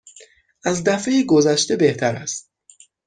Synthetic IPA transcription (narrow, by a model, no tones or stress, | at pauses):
ʔæzd̪æfejiɡo̞zæʃt̪e̞be̞ht̪ʰæɾæst̪̚